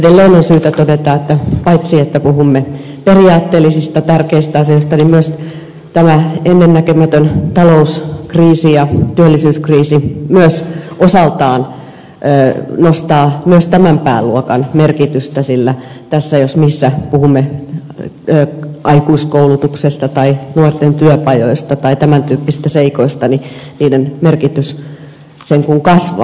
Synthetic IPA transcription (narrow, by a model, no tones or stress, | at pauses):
edelːeːnonsyːt̪æt̪odet̪ɑːet̪ːæpɑit̪siet̪ːæpuhumːe | periɑːt̪ːeːlːisist̪ɑt̪ærkeist̪æɑsioist̪ɑnimmyøs | t̪æmæenːenːækømæt̪ønt̪ɑlouskriːsijɑt̪yølːisyːskriːsimyøsosɑlt̪ɑːnː | nost̪ɑːmyøst̪æmæmpæːlluokɑnmerkit̪yst̪æsilːæ | t̪æsːæjosmisːæpuhumːe | øːɑikuiskoulut̪uksest̪ɑt̪ɑinuort̪ent̪yøpɑjoist̪ɑt̪ɑit̪æmænt̪yːpːisi̥st̪æseikoist̪ɑniniːdenmerkit̪ys | seŋkuŋkɑsʋɑ̰